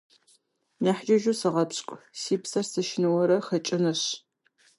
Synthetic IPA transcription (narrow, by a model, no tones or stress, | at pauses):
nɐħd͡ʒɐʒusɨʁɐpɕʼkʷʼsiːpsɐrsɨʃɪnɐwɐɾɐχɐt͡ʃʼɪnɨɕ